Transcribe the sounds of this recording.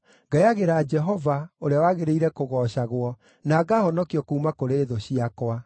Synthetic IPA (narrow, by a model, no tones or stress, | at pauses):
ŋɡaeaɣeɾaːd͡ʒɛɦɔvaoɾeawaɣeɾeiɾɛkoɣɔːɕaɣwɔ | naːɡahɔnɔkiɔkuumakoɾeːðoɕiakwa